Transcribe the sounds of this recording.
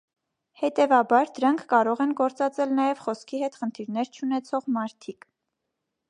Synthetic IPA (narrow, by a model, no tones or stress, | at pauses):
hɛt̪ɛvɑbɑɾd̪əɾɑŋkʰːɑɾɔʁɛnɡɔɾt͡sɑt͡sɛlnɑjɛvχɔskʰiɦɛt̪χənt̪ʰiɾnɛɾt͡ʃʰunɛt͡sʰɔʁmɑɾt̪ʰik